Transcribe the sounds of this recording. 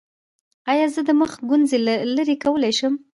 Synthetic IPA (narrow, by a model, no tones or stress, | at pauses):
ɑjɑzəd̪əməxɡʊnzelalaɾekawəlajʃəm